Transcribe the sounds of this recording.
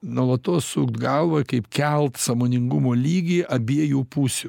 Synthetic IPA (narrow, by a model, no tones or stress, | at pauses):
nuɔlˠɐt̪oːssuːkt̪ɡɐlˠʋɐkɐɪpkʲɛlˠt̪sɐmoːnʲɪŋɡʊmoːlʲiːɡʲiːɐbʲiɛjuːpuːsʲʊ